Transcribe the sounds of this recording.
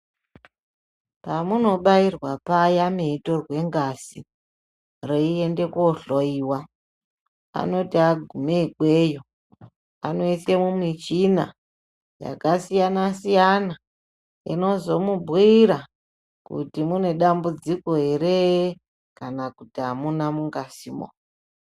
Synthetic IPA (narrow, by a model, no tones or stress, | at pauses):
pamuno̞ɓairwapajameito̞rwe̞ŋɡasi | roie̞nde̞kuoɬoiːwa | a̰no̞tiaɡʱumeikwe̞ːjo̞ | a̰no̞ise̞mumit͡ʃina̰ | ja̰kasijanasijana | ḭno̞zo̞mubʱwiɾa | kṵtimune̞ɗambud͡ziko̞ɦe̞ɾe | kanakutiamunamuŋɡasimo̰